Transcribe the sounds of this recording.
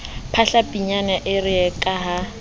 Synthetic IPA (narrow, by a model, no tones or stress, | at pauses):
pʰaɬapʼiɲanaʔɪrɪɛkʼaɦa